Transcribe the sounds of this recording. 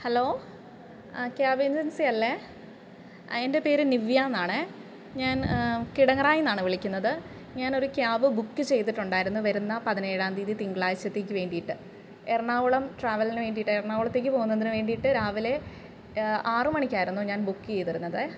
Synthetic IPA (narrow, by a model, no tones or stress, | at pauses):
hɐlo̞ː | kjaːbeɲd͡ʑɐnsijɐlːe | ende̞pe̞ːɾɨniʋjaːnːaːɳɨ | ɲaːnkiɽɐŋɐraːjunːaːɳɨʋiɭikʲːunːɐðɨ | ɲaːno̞ɾukjaːʋɨbukːɨt͡ɕe̞jt̪̬iʈːuɳɖaːjiɾunːuʋɐɾunːɐpɐðine̞ːɽaːnd̪iːðit̪iŋɡɐɭaːjit͡ɕːɐt̪ːeːkʲːɨʋe̞ːɳɖijiʈːɨ | erɳaːʋuɭɐmʈraːʋɐlinɨʋe̞ːɳɖijiʈːɨerɳaːuɭɐt̪ːe̞ːk̬ʲːɨpo̞ːɣunːɐðinɨʋe̞ːɳɖijiʈːɨɾaːʋile̞ | aːrɨmɐɳikʲːaːjiɾunːuɲaːnbukːɨejt̪ɐɾunːɐðɨ